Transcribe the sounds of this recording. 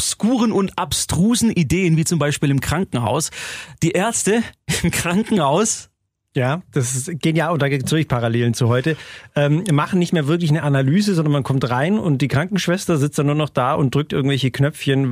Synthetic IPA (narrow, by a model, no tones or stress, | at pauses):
skuːʁənʊntʔapstʁ̥uːzn̩ʔideːənviːt͡sʊmbaɪʃpiːlɪmkʁ̥aŋkŋ̩ha̰ʊsd̥iːʔɛɐt͡stəɪmkʁ̥aŋkŋ̩haʊs | jaːd̥asɡ̥eːnjaːʊd̥aːɡed̥ʊçpʰaʁaleːlənt͡suɦɔʏtəʔɛːmmaχn̩nɪçtmeːɐvɪɐk̬lɪçnəʔanalyːzəzɔndɐnmankʰɔmtʁaɪnʊnt̚d̥iːkʁ̥aŋkŋ̩ʃv̥ɛstɐzɪt͡std̥anːuːɐnɔχd̥aːʔʊnt̚d̥ʁʏk̚tʔɪɐɡŋ̩tv̥ɛlçəkʰnœp͡fçən